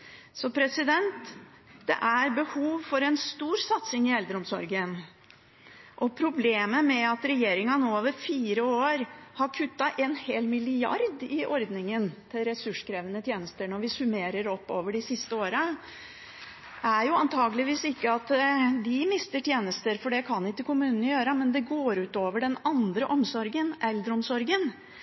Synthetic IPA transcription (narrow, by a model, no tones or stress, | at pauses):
sɔpʰɾɛsɪd̪ɛnt̪ | d̪̥ɛ̰ʔæɾbəhuːʋfɔɾɛnst̪uːɾsɑt̪sɪŋɪɛld̪əɾəɔmsɔɾɡən | ʔɔpʰɾʊbleːməmɛɑt̪ɾɛjeːɾɪŋɑnoːoːʋəɾfiːɾəoːɾhɑɾkʰʉt̪ːɑʔɛːnheːlmɪlɪɑ̰ɾd̪ɪʔɔɾd̪nɪŋənt̪ʰɪlɾɛsʉʂkʰɾɛːʋənət̪ʰjeːnəst̪əɳɔʋɪsʉmeːɾəɾɔpːoːʋəɖɪsɪst̪əoːɾə | ʔæɾjʊɑnt̪ʰɑːɡəlɪʋiːsɪkːəɑt̪d̪ɪmɪst̪əʈʰjeːnəst̪əɾfɔɖɛkʰɑnːɪkːəkʊmʉːnənəjøːɾəmɛnd̪ɛɡoːɾʉːt̪oːʋəɖɛnɑnd̪ɾəʔɔmsɔɾɡənʔɛlːəɾɔmsɔɾɡən